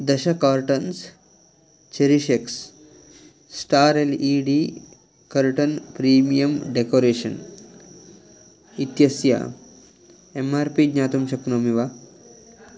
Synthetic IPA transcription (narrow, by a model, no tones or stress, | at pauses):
d̪ɐɕɐkaːɾʈɐns | t͡ɕeɾiɕeks | sʈaːɾeliɖi | kɐɾʈɐnpɾiːmijɐmɖekoːɾeːʃɐn | it̪jɐsja̰ | emaɾpiɡɲaːt̪umɕɐknomiʋa